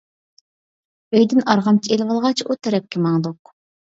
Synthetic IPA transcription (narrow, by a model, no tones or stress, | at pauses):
øjd̪ɪnɑɾʁɑmt͡ʃʰielvɑlˠʁɑt͡ʃʰut̪ʰɛɾɛp̚kʲɪmɑŋd̪oq̚